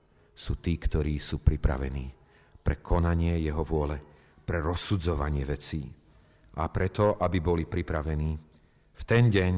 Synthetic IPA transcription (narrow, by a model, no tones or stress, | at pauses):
suːt̪iːkt̪ɔɾiːsuːpɾipɾa̰ʋɛ̰niː | pɾɛkʰɔnaɲɪɛjɛɦɔʋʊɔlɛ | pɾɛɾɔsud͡zɔʋa̰ɲɪɛʋɛt͡siː | ʔapɾɛt̪ɔʔabibɔlipɾipɾaʋɛniː | ft̪ɛnɟɛɲ